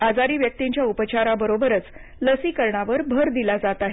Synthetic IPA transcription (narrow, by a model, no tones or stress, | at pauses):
ad͡zaɾiːʋjək̚t̪iɲt͡ɕjaupət͡ɕaɾabəɾobəɾət͡s | ləsiːkəɾɳaʋəɾbʱəɾd̪ilad͡zat̪aɦe